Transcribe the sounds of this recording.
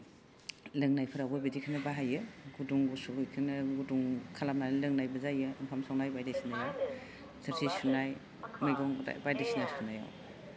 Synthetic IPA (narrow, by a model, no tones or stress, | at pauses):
lɯŋnajpʰɯɾawɡɯbidikʰɯnɯbaɦajɯɡuduŋɡusujkʰɯnɯɡuduŋkʰalapnanlɯŋnajbɐzajɯɯmpʰamsaŋnajbajdesinaja | sɯɾtʰisʰunaj | majɡɔŋa̰bajdesinasʰunaja̰w